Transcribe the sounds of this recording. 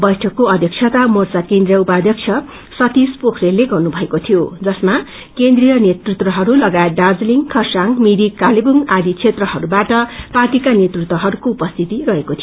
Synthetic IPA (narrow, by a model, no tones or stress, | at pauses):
bʌjʈʰʌkːoʌd̪ʱjʌk̚sʰʌt̪amort͡sakẽnd̪rijʌupad̪ʱjʌk̚t͡sʰjʌ | sʌt̪ispokʰɾelːeɡʌrnubʱʌekot̪ʰijod͡zʌsma | kend̪rijʌnet̪rut̪wʌɦʌɾulʌɡaet̪̚ɖad͡zliŋkʰʌrsaŋmiɾikalebuŋad̪ikt͡sʰet̪rʌɦʌɾubaʈʌparʈikanjet̪rut̪wʌɦʌɾukoupʌst̪ʰit̪iɾʌɦekot̪ʰijo